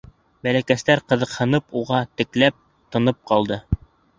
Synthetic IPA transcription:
bælækæst̪æɾqɤ̆ðɤ̆qhɤ̆nɤpuʁɑt̪ɘ̆klæp̚ | t̪ɤ̆nɤp̚qɑlˠd̪ɤ

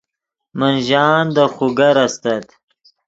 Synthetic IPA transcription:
manʒɑːnd̪əxuɡaɾast̪at̪

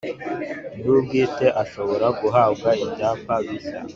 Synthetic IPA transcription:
nuɡiːteʔaʃoβoɾaɡuɦaːbɡaiɟapaβisa̰

